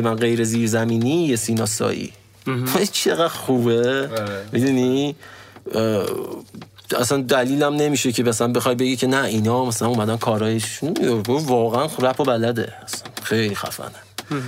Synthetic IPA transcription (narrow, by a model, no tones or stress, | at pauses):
mænɢe̞jɾeziːɾzæmiːniːjesiːnɒːsɒ̰ːʔḭː | væit͡ʃʰeɣæd̪̥xuːbemid̪uni | æsænd̪æliːlæmne̞miːʃe̞cʰemæsælænbexɒjbe̞ɡicʰe̞næinɒːmæsælænuːmæd̪ænkʰɒːɾɒːjeʃuɡovɒːɣeænɾæpʰobælæd̪e̞̰æsænxejliːxæ̰fæ̰næ